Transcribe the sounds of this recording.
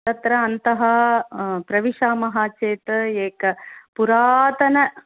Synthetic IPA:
ɐt̪ɾɐɐnt̪ɐɦɐ | pɾɐʋiʂaːmɐɦaːt͡ʃeːt̪eːkɐpuɾaːt̪ɐnɐ

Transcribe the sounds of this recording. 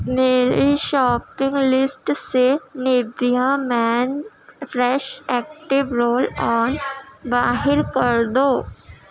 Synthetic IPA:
meːɾeʃɔːpɪ̃ŋɡlɪsʈsenɪbijãmɛːn | fɾɛʃɛːk̚ʈɪʋɾoːlɔːnbaːɦɪɾkəɾd̪oː

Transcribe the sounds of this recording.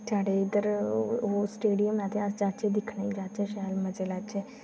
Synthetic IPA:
t̪ʰaɽeid̪əɾosʈeɽijəmnat̪ʰead͡ʑat͡ɕed̪ikʰɳed͡ʑat͡ɕeɕalməd͡zelat͡ɕe

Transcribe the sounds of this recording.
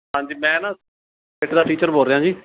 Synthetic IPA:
ɦãːɲd͡ʒiːmɛ̃ːnãː | eːʈd̪aːʈiːt͡ʃəɾbʱoːɾeɦãːd͡ʒiː

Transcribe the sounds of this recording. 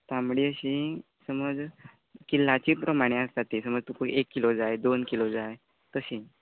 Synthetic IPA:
t̪amɽiːəɕĩ | səməd͡z | kilːat͡ɕiːpɾəmaɽ̃ẽast̪at̪isəməd͡zt̪ukuekːilod͡zajd̪onkilod͡zaj | t̪əɕĩ

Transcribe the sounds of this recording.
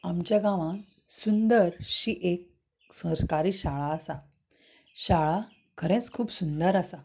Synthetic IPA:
amt͡ɕjaɡãʋã | sund̪əɾɕiːʔek̚ | səɾkaɾiːɕaɭaəsa | ɕaɭa | kʰəɾẽt͡skʰuːpsund̪əɾasa

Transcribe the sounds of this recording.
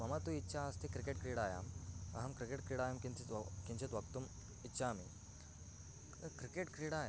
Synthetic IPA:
mɐmat̪ũitːɕʰaːst̪ʰikɾikeʈ̚kɾiɽaja̰mɐ̰ɦɐmkɾikeʈkɾiɽajamkikiɲt͡ɕet̪ʋɐkt̪um | itːɕʰaːmḭ | kɾikeʈkɾiɽaja

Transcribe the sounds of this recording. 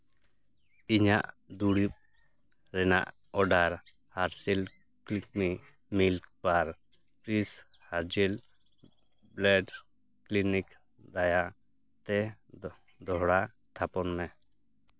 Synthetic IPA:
iɲaʔ | d̪uɽip̚ | ɾɛna̰ʔ | ɔɖaɾ | haɾsil | klik̚mi | milkpaɾ | pɾis | haɾd͡ʒil | blɛɖ | klinik | d̪ajaʔ | t̪ɛ | d̪ɔɦɽa | t̪ʰapɔnmɛ

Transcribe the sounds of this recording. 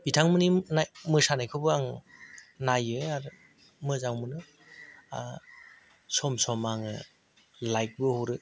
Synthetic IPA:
bitʰaŋmɯninamɯsanajkʰɯbɯaŋ | najɯaɾ | mɯzaŋmɯnɯ | sɔmsɔmaŋɯ | lajk̚bɯhoɾɯ

